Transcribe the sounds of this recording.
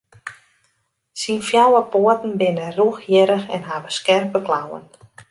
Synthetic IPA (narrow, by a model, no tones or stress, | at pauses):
sinfjawəpoətn̩bɪnəruəxjɪɾəxɛ̰nɦaʋəskɛrpbəklawə̰n